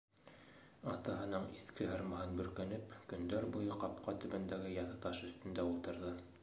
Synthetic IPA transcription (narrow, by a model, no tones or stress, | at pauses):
ɑt̪ɑɦɤ̆nɤɴiθkɘɦɤ̆ɾmɑɦɤnbɵ̆ɾkænɘpkɵ̆nd̪æɾbujɤqɑp̚qɑt̪ɵ̆βɘ̆nd̪æɡɘjɑθɤt̪ɑʃɵ̆θt̪ɵ̆nd̪æulˠt̪ɤ̆ɾðɤ